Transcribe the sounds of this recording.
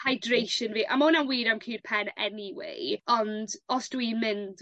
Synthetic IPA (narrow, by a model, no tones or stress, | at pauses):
hajdrejʃənviːʔa̰monanwiːɾamkʰiːrpʰɛnɛ̰niwḛjɔndɔsd̥wimɪnd